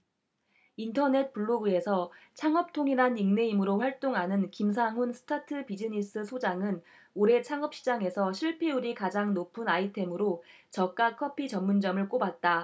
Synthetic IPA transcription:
intʰʌne̞t̚p͈uɭːoɡue̞sʰʌt͡ɕʰaŋʌp̚tʰoŋinaniŋne̞imɯɾoɸwaɭt͈oŋɦanɯnkims̬ʰaŋɦunsʰɯ̥tʰatʰɯpid͡ʑiɲis͈ɯsʰod͡ʑaŋɯn | oɾe̞t͡ɕʰaŋʌp̚ɕ͈ʰid͡ʑaŋe̞sʰʌɕʰiɭpʰeuɾikad͡ʑaŋnopʰɯnaitʰe̞mɯɾo | t͡ɕʌk̚k͈akʰʌpʰit͡ɕʌmːund͡ʑʌmɯɭk͈obat̚t͈a

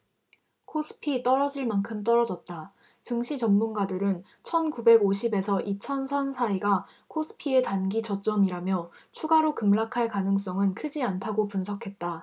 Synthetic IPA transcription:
kʰosʰɯ̥pʰit͈ʌɾʌd͡ʑiɭmankʰɯmt̬͈ʌɾʌd͡ʑʌt̚t͈a | t͡ɕɯŋɕʰit͡ɕʌmːunɡadɯɾɯn | t͡ɕʰʌnkube̞ɡoɕʰibe̞sʰʌʔit͡ɕʰʌnsʰʌnsʰaiɡa | kʰosʰɯ̥pʰie̞tanɡit͡ɕʌt͡ɕ͈ʌmiɾamjʌt͡ɕʰuɡaɾokɯmɭakʰaɭkanɯŋs͈ʌŋɯnkʰɯd͡ʑiantʰaɡopunsʰʌkʰe̞t̚t͈a

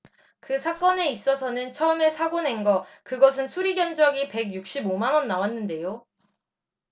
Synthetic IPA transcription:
kɯsʰak͈ʌne̞is͈ʌsʰʌnɯnt͡ɕʰʌɯme̞sʰaɡone̞nɡʌkɯɡʌs̬ʰɯnsʰuɾiɡjʌnd͡ʑʌɡipe̞ɡjuk̚ɕ͈ibomanwʌnːawanːɯnde̞jo

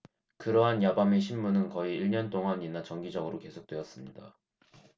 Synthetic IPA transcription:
kɯɾʌɦanjabame̞ɕʰinmunɯnkʌiiɭɲʌnt͈oŋaɲinat͡ɕʌŋɡid͡ʑʌɡɯɾoke̞sʰok̚t͈we̞ʌs͈ɯmɲida̰

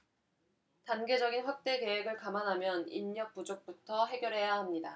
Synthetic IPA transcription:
tanɡe̞d͡ʑʌɡinɸwak̚t͈e̞ke̞we̞ɡɯɭkamanɦamjʌnḭɲɲʌk̚p͈ud͡ʑok̚p͈utʰʌɦe̞ɡjʌɾɦe̞jaɦamɲida

